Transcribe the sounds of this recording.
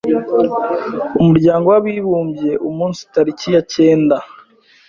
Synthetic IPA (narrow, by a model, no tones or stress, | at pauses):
umuɾɟaːŋɡowaβiːβuːmbje̞ʔumuːnsitaɾicijace̞ːnda